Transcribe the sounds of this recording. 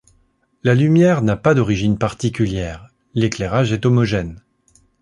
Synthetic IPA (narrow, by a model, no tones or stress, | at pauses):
lalymjɛʁnapad̪ɔʁiʒinpaʁt̪ikʲyljɛːʁ | leklɛʁaʒɛt̪ɔmɔʒɛn